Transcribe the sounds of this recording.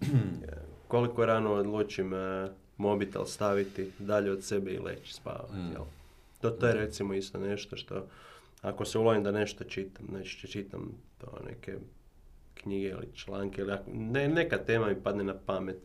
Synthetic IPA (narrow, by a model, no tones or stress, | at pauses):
ko̞likoeɾanood̪lˠuːt͡ʃim | mo̞bit̪ḛlst̪aʋit̪id̪aʎeod̪sebɛḭlʔḛt͡ʃspa̰ːʋa̰t̪jḛl | t̪ot̪ojeɾet̪simoist̪one̞ʃt̪oʃt̪o̞̰ | ako̞seulˠoimd̪ane̞ʃt̪ot͡ʃit̪amnet͡ʃt͡ʃet͡ʃit̪a̰mt̪o̰ːnḛkḛ | kɲiɡeḭlḭt͡ʃlaːŋkeiliaknene̞kat̪eːmamipad̪nenapamet̪